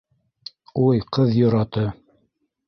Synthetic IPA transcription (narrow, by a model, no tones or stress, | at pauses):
ujqɤðjŏɾɑt̪ɤ